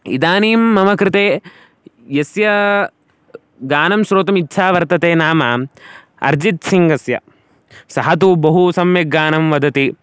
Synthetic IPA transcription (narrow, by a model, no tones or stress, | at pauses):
ḭd̪aːniːmːɐmɐkɾɪt̪eː | jɐsjɐ | ɡaːnɐmʃɾoːt̪ɐmitːʃʰaːʋɐɾt̪ɐt̪eːnaːmɐ | ɐ̰ɾd͡ʒit̪siŋɡɐsjɐ̰ | sɐɦɐt̪̬ubɐɦusɐmjɐɡaːnɐmʋɐd̪ɐt̪i